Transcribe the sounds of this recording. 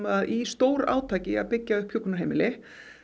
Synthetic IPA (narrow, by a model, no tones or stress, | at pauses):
aðʔist̪oːwɾa̰ːwt̪ʰaːcɪa̰ðpɪcːaʏhphjokːʏnaɦejmɪlɪ